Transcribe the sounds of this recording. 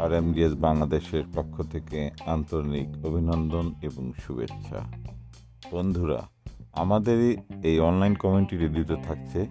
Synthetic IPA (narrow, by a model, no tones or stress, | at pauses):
aɾemɖiesbaŋlad̪eʃeɾpokʰːot̪ʰekeant̪oɾnikobʱinɔnd̪oneboŋʃubḛtːɕʰa̰ | b̥ond̪ʱuɾa̰ | a̰mad̪eɾejɔnlajnkɔminiʈiʈid̪ɾit̪ot̪ʰakt͡ɕʰe